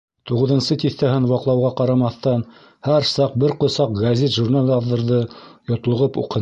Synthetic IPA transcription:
t̪uʁɤ̆ðɤ̆nsɤt̪iθt̪æɦɘnwɑqlˠɑwʁɑqɑɾɑmɑθt̪ɑn | hæɾsɑq̚bɘɾqŏsɑq̚ɡɐzʲet̪ʒurnalʲɑðɤ̆ɾðɤjŏt̪lˠɤ̆ʁɤpṵqɤ̆

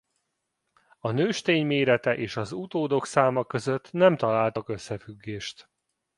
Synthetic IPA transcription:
ɒnøːʃt̪eːɲmeːɾɛt̪ɛʔeːʃɒzut̪oːd̪o̞ksaːmɒkø̞zø̞t̪nɛmt̪ɒlaːlt̪ɒkø̞sːɛfyɡːeːʃt̪

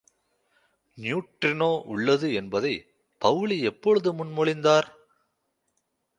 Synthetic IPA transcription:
njuːʈrɪnoːʔʊɭːɐðɯɛnbɐðɐɪ | pɐʋɭiɛpːɔɻɯðɯmʊnmɔɭɪnd̪aːɾ

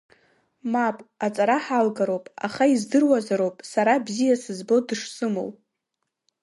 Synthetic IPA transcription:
mapʼat͡sʼaɾaħalɡaɾo̞wpʼa̰χaizdɨrwazaɾowpʼsaɾabzijasɨzbo̞dɨʂsɨmo̰w

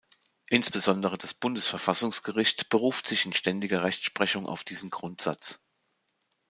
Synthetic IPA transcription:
ʔɪnsb̥əzɔndəʁ̞əd̥asb̥ʊndəsfɛɐfasʊŋsɡ̥əʁɪçtb̥əʁuːftz̥ɪçɪnʃtɛndɪɡɐʁɛçtʃpʁ̥ɛçʊŋʔa̰ʊfd̥iːzn̩ɡʁʊntz̥a̰t͡s

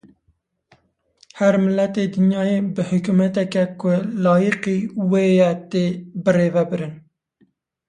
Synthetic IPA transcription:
hæɾmɪlːɛt̪ed̪ɨnjɑːjeːbɨhʊkumɛt̪ɛkɛkʰʊlɑːjiqiːweːjɛt̪eːbɨreːvɛbɨɾɨn

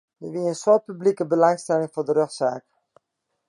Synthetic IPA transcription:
jəʋiəənswot̚pyblikəbəlɑŋstɛlɪŋfʊːdəɾøχsa̰ːk

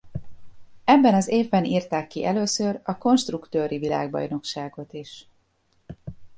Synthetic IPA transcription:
ɛbːɛnɒzeːvbɛniːrt̪aːkːiʔɛløːsørɒko̞nʃt̪rukt̪øːɾivila̰ːɡ̚bɒ̰jno̞kʃaːɡo̞t̪iʃ

